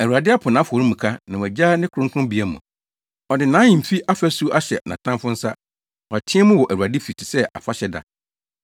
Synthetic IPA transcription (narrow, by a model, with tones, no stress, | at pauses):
æ˨wu˨a˨dɪ˦a˦pʰʊ˨nã˨˦fɔ˨ɾi˦mũ˨kʰa˦nã˨wɛ˨d͡ʑaː˦nɪ̃˦kʰɾʊ̃˦ŋ˦kʰʊ̃˦bi˨æ˦mʊ̰̃˨ | ɔ˨dɪ˨nã˨˦jĩ˨m̩˨fi˦ʔa˦fæ˦su˦ʔa˦ɕɛ̰˨nã̰˨tʰã˦mfʊ̃˦n̩˦sa˦ | ɔ˨a˨tʰɪ̃˦ɛ˦mʊ̃˦wɔ˨ʔæ˨wu˨a˨dɪ˦fi˨tʰi̥˨sɛ˦ʔa̰˨fa˦ɕɛ˦da̰˨